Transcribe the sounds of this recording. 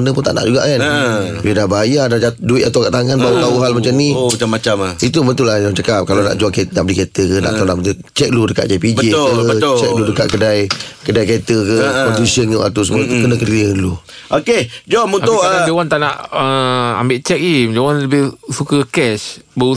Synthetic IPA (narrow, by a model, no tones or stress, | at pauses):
ənəp̬ʊnt̪a̰ʔna̰ʔd͡ʒuɡa̰ʔkanbidahbajadaduɪt̪at̪awkaʔt̪aŋanbaut̪auɦalmat͡ʃamnĩaamːat͡ʃamit̪umənt̪ʊlahjaŋt͡ʃakap̚kalana̰ʔd͡ʒuaŋkenaʔbəliket̪əkəna̰ʔ̪auna̰ʔmt̪ | t͡ʃɛk̚ludəkaʔd͡ʒapid͡ʒbəeʊəbət͡ʃɛk̚ludəka̰ʔkədajkədajket̪əkəɔt̪isənjuʔa̰t̪us̬əmuat̪ukənəkəɾəlu | ʔoked͡ʒɔmunt̪ʊʔaad͡ʒewant̪aʔnaʔəa̰mbɪʔt͡ʃɛk̚id͡ʒewanləbɪhsukəkɛsbəu